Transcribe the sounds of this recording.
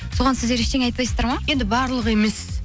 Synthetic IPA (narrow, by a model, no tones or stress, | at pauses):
so̞ʁɑnsɪzd̪eɾɪʃt̪eŋɑjt̪̚pɑjsəzd̪ɑɾmɑje̞nd̪ɪbɑɾlˠəqe̞me̞s